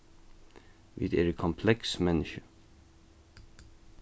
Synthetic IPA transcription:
ʋɪ̰d̪ḛːɾəkʰɔmpʰlɛksmɛnɪʃə

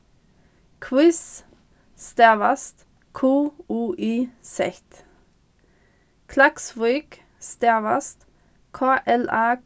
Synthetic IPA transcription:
kʰwɪs | st̪eʋɑst̪ | kʰuːuːʔiːsɛht̪ | kʰlɑksʋɔʏk | st̪eʋɑ̰st̪ | kʰɑːʔɛlɑː

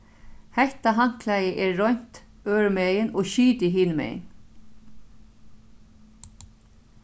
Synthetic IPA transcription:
hɛht̪aɦaŋ̥klajəʔɛːɔjɲ̥t̪ | øːɹmɛːjɪnɔːʃiːt̪ɪɦiːnəmɛ̰ːjn

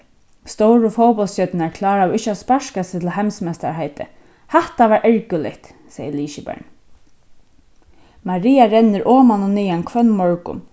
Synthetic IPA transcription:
st̪owɾʊfɔwpɔlsœt̪ɪnaɹkʰlɑːɹaɔʋɪht͡ʃːaspaʃkasɪt̪ʰɪlɦɛmsmɛst̪a̰ɹhaɪt̪ɪ̰ | haht̪aʋaːɹʔɛɹkʏlɪ̰ht̪ | seːjəliːʃɪbɛ̰ɹn | maɾiːaɾɛnːɪɹʔɔːmanʊniːankʰʋœnːmɔɹkʊ̰n

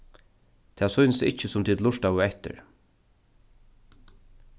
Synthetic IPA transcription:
t̪ʰɛːsɔjnəsɪ̰cːəsʊmt̪ʰiːd̪lʊʂt̪avʊɛht̪ɪ̰ɹ

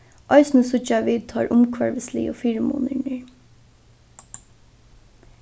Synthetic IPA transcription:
ʔɔɪsnəsʊt͡ʃaʋiːt̪ʰɑːɹʔʊmkʰʋæɹʋəslḭːɔfiːɾəmṵːnənəɹ

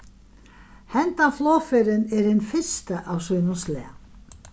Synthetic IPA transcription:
hɛnt̪anflɔːfɛɾɪnɛɾɪnfɪ̥st̪aʔawsœːnʏnslɛ̰ː

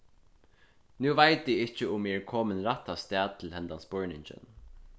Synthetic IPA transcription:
nuːvaɪt̪iɪt͡ʃəʊmɛːɹkʰɔːmənɾat̪ːast̪ɛːd̪̚t̪ʰɪlhɛnt̪ansbɔɹnɪɲt͡ʃə̰n

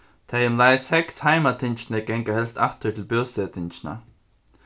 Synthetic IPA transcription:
t̪ʰajʊmlajshɛkshaɪmat̪ʰɪnt͡ʃnəɡɛŋkahɛlst̪a̰ht̪ət̪ʰɪlpjoːsɛt̪ʰɪnt͡ʃɪna̰

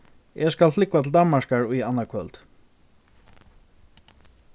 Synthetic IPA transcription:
ɛskalflɪkwat̪ʰɪld̪anmaʂkaɹʊjanːakʰœlt̪

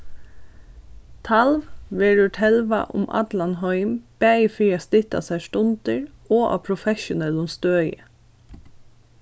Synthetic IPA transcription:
t̪ʰɑlʋʋɪɹʉʈʰɛlʋɑ̰ʔʊ̰mʔɑ̰d̪lɑnhɔʏmb̥æɪfɾiːɑst̪ɪt̪ɑ̰sæːʃʈʊnd̪̥əɹʔoːʔɑ̰ːpʰɾʊfɛʃʊnɛlʊmst̪øːjə̰

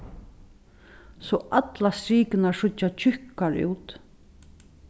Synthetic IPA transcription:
sɔʔat̪lasɾiːkɪnaʂʊat͡ʃʰʏhkaɹṵːt̪

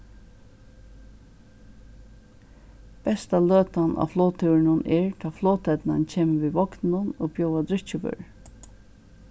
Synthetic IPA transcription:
b̥ɛst̪aløːt̪anʔa̰floːt̪ʰɪwɪnʊnʔɛɹt̪ʰɑːfloːt̪ɛt̪nancʰeːməʋiːʋɔknnʊnoːbjowad̪ɾɪt͡ʃɪʋʏ̰ɹ

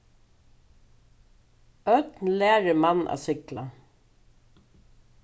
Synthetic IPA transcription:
œt̪nlæːɾəmanːa̰sɪkla

